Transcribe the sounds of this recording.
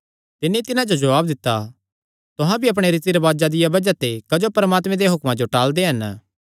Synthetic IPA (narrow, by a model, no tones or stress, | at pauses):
t̪ɪnːit̪ɪnãd͡ʒod͡ʒɐʋaːbd̪ɪt̪ːa | t̪ʊɦãbiɐp̬ɽ̃eɾɪt̪iɾɐbaːd͡ʒad̪ɪjabɐd͡ʒat̪ekɐd͡ʒopɐɾmaːt̪mẽd̪eɦʊkmãd͡ʒoʈaːld̪eɦɐn